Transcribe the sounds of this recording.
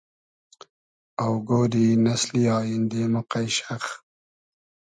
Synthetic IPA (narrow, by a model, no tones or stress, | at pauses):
awɡoːɾinasliɑːjɪnd̪emʊqajʃax